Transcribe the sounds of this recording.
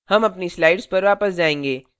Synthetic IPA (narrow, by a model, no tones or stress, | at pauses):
hɐmɐpnislaːɪɖzpɐɾʋaːpəsd͡ʒaːẽːŋɡeː